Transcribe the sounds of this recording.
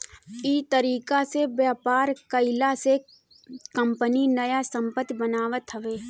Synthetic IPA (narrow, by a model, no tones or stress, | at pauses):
iːt̪əɾiːkasebjaːpaːɾkəɪlase | kə̃mpəninɐjasə̃mpət̪jbənaːʋət̪ɦəʋeː